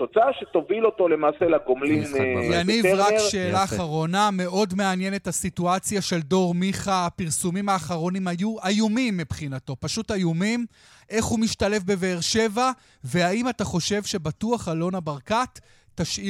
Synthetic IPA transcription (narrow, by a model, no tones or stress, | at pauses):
t̪ot͡saaʃet̪ovilot̪o̞le̞maːselaɡomlimveanivʁakʃe̞ːlaːχaʁo̞name̞ʔo̞dmeanje̞ne̞thasituat͡sjaʃe̞ldo̞ʁmiχapiʁsumimaːχaʁo̞nimajuajumimːipχinato̞paʃutajumim | ʔe̞χhumiʃtale̞fbe̞veːʁʃe̞va | veaimataχo̞ʃe̞vʃe̞batuaχalo̞nabaʁkatː | aʃʔi